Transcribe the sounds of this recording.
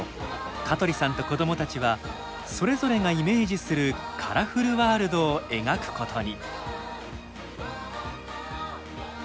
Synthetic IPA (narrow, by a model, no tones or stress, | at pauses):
kat̪o̞ɾʲisãnt̪o̞ko̞d̪o̞mo̞t̪at͡ɕiβa | so̞ɾe̞zo̞ɾe̞ŋaime̞ːʑisɨɾɯ̟kʰaɾaɸɯɾɯ̟βaːɾɯ̟d̪o̞ːe̞ɡakɯ̟̥ko̞t̪ʰo̞ɲ̟i